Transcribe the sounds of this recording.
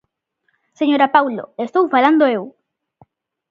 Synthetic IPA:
seɲoɾapawlo̰est̪owfaland̪oew

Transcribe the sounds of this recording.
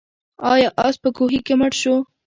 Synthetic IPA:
ɑjɑʔɑspəkoɦikeməʈʃo

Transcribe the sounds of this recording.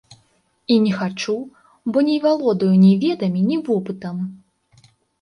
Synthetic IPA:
inʲɛxat͡ʂu | bɔnʲɛvʲalˠɔd̪ɐjunʲɛvʲɛd̪ɐmʲinʲivɔpɨt̪ɐm

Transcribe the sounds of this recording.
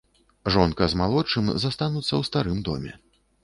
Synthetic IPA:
ʐɔnkɐzmalˠɔt͡ʂɨmzast̪anut̪sːɐwst̪aɾɨmd̪ɔ̰mʲɛ̰

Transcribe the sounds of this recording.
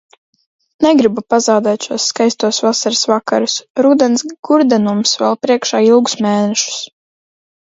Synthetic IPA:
nɛɡɾibupazawd̪ɛːt̪ʃuɔsːkajst̪uɔsvasaɾɪsvaka̰ɾusɾuːd̪ɛnsɡ̥uɾd̪ɛnumsvɛ̰lˠpɾiɛkʃaːilˠɡu̥smɛːnɛʃu̥s

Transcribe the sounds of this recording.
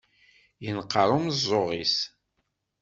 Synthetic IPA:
jənqːəɾˤʊmzˤːoʁis

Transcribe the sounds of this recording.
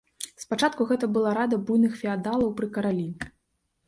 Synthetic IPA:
spat͡ʂat̪̚kuɣɛt̪ɐbɨlˠaɾad̪ɐbujnɨxfʲɛad̪alˠɐwpɾɨkɐɾalʲinʲɛ

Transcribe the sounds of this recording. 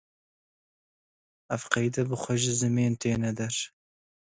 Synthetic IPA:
ɐfqɐjd̪ɐbɨxʷɐʒɪzɨmeːnt̪ʰeːnɛd̪ɛɾ

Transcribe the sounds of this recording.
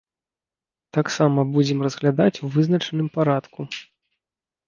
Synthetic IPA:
t̪aksamɐbud͡zʲɛmrɐzɣlʲad̪at͡sʲuvɨznɐt͡ʂɐnɨmpaɾat̪ku

